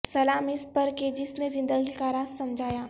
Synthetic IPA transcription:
sɐlaːmɪspɐɾked͡ʒɪsnezɪ̃nd̪əɡikaɾaːzsɐmd͡ʒʱaːjaː

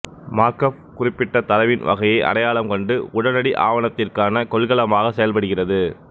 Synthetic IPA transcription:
maːɾkɐfkʊrɪpːɪʈːɐt̪ɐlɐʋɪnʋɐ̰ɣɐjɐɪʔɐ̰ɾɐjaːɭɐmkɔɳɖɯʊɽɐnɐɽiʔa̰ːʋɐnɐt̪ːɪrkaːnɐkɔɭɣɐɭɐmaːɣɐsɛjɐlpɐɽɯɣɪrɐðɯ

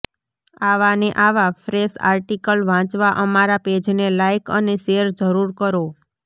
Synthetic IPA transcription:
aʋaneʔaʋafɾesa̰ɾʈikəlʋãt͡ʃʋaʔəmaɾaped͡ʒnelajkʰə̰neseəɾd͡ʒəɾuɾkəɾo

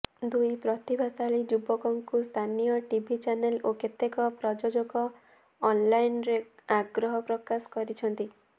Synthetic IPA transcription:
d̪ujpɾɔt̪ibʱasaɭid͡ʒubɔkɔŋkust̪ʰanijɔʈibʱit͡ʃaneloket̪ekɔpɾɔd͡ʒod͡ʒoɡɔː | nlajnɾeaɡɾɔɦɔpɾɔkasɔ̥kɔɾit͡ʃʰɔnt̪i

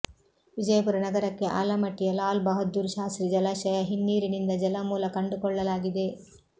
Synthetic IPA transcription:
ʋid͡ʒɐjɐpuɾɐnɐɡɐɾɐkːe̞ʔa̰ːlɐmɐʈːijɐlaːlbɐɦɐd̪ːuɾʃaːsɾid͡ʒɐlaːʃɐjɐɦinːiːɾinind̪ɐd͡ʒɐlɐmuːlɐkɐɳɖukɔɭːɐlaːɡid̪e̞

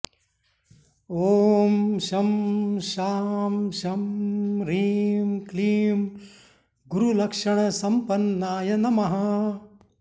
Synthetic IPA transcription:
oːmʃɐmʃaːmʃɐmɾiːmkliːm | ɡuɾulɐkʂɐɳ̃ɐsɐmpɐnːaːjɐnɐmɐɦɐ

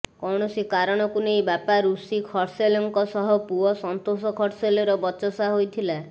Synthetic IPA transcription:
kɔɳ̃ɔsikaɾɔɽ̃ɔkunejbapaɾusikʰɔɾselɔŋkɔsɔɦɔpuɔsɔnt̪osɔkʰɔɾselɔɾɔbɔt͡ʃɔsaɦojt̪ʰila

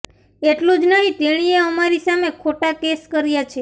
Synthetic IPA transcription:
eʈlũd͡ʒnəɦĩt̪eɽ̃ieəmaɾisamekʰoʈakeskəɾjat͡ʃʰe

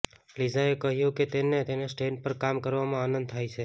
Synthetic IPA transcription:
lizaekəɦjũket̪enet̪enesʈeɳɖ̚pəɾkamkəɾʋamãanə̃nd̪̚t̪ʰajt͡ʃʰe

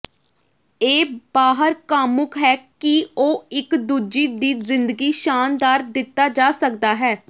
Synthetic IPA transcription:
eːbaːɦəɾkaːmʊkɦɛːkɪoːɪkd̪uːd͡ʒiːd̪iːzɪnd̪əɡiːʃaːnd̪aːɾd̪ɪt̪ːaːd͡ʒaːsək̚d̪aːɦɛː

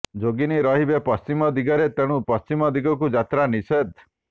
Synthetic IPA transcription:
d͡ʒoɡiniɾɔɦibepɔst͡ʃimɔd̪iɡɔɾet̪eɽ̃ũpɔst͡ʃimɔd̪iɡɔkud͡ʒat̪ɾanised̪

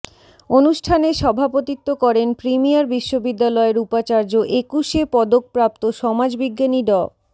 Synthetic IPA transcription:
onuʃʈʰaneʃɔbʱapot̪it̪ːokɔɾenpɾimijaɾbiʃːobid̪ːalɔeɾupat͡ɕaɾd͡ʑoʔekuʃepɔd̪ok̚pɾap̚t̪oʃɔmad͡ʑbiɡːaniɖɔ

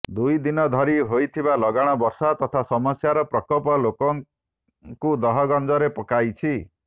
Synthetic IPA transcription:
d̪ujd̪inɔd̪ʱɔɾiɦojt̪ʰibalɔɡaɽ̃ɔbɔɾsat̪ɔt̪ʰasɔmɔsjaɾɔpɾɔkɔpɔlokɔŋ | kud̪ɔɦɔɡɔnd͡ʒɔɾepɔkajt͡ʃʰi

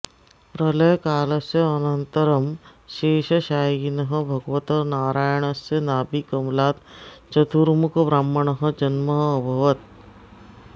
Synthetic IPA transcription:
pɾɐlɐjkaːlɐsjɐɐnɐnt̪ɐɾɐmʃeːʃɐʃaːjinɐɦɐ̆bʱɐɡʋɐt̪ɐnaːɾaːjɐɳ̃ɐsjɐnaːbikɐmlaːt̪t͡ʃɐt̪uɾmukʰbɾaːmːɐɳ̃ɐɦɐ̆d͡ʒɐnmɐɦːbʱɐʋɐt̪̚

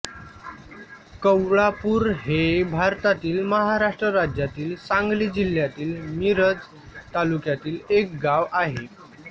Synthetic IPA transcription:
kəwɭapuːɾɦebʱaɾt̪at̪iːlməɦaɾaʂʈɾəɾad͡ʑjat̪iːlsaŋɡlid͡ʑiljat̪iːlmiɾəd͡z | t̪alukjat̪iːlek̚ɡaʋaɦe

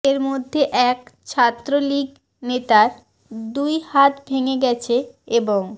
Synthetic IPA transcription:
eɾmod̪ʱːeʔɛkt͡ɕʰat̪ːɾoliɡ | net̪aɾ | d̪ujhat̪bʱeŋeɡɛt͡ɕʰe | eboŋ

